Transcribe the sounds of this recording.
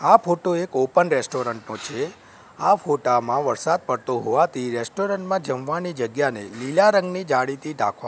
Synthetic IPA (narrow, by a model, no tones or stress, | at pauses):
afʰoʈoekopənɾesʈoɾəɳʈnot͡ʃʰe | afʰoʈamãʋəɾsad̪̚pəɽt̪oɦoʋat̪ʰiɾesʈoɾəɳʈmãd͡ʒəmʋanid͡ʒəɡjanelilaɾə̃ŋɡnid͡ʒaɽit̪iɖa̰kʰʋa̰